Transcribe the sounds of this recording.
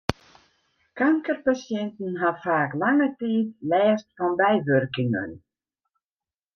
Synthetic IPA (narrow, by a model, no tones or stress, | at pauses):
kaŋkərpasjɛnt̪n̩ɦafaːklaŋətiːðlɛːstfɔnbɛjʋʏrkɪŋə̰n